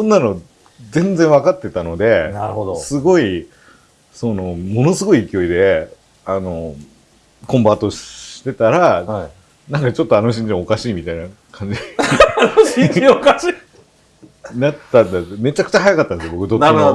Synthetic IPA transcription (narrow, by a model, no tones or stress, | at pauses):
sõnːano̞ | zẽ̞nd͡zẽ̞ɰ̃βakat̪ːe̞t̪ano̞d̪e̞naosɨɡo̞i | so̞no̞mo̞no̞sɨɡo̞iːkʲio̞id̪e̞ | ano̞ | kõ̞mbat̪o̞ɕi̥t̪e̞t̪aɾa | nãŋkat͡ɕo̞t̪ːoanoɕ̬ĩɲd͡ʑimokaɕiːmʲit̪aina | kʰãɲ̟d͡ʑi̥ | oɕikaɕi | nat̪ːãnd̪ame̞t͡ɕakɯ̟t͡ɕahajakat̪ːand̪sjobo̞kɯd̪otː